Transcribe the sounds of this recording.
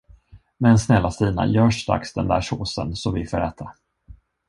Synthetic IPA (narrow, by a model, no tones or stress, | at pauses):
mɛnsnɛlːasiːna̰jœːʂt̪ɾa̰ksd̪ɛnd̪æːʂoːsə̰nsɔvɪfoːɾɛːt̪ʰa